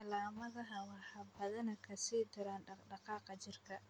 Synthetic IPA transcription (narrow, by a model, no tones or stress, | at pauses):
ɐlaːmɐðɐɦɐwɑħɑbɐðɐnɐkʰɐsiːd̪ɐɾaːnɖɑqɑːqɑt͡ʃɪrkʰɐ